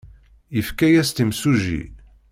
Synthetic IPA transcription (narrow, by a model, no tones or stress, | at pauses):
jəfkæjæst̪imsuʒḭ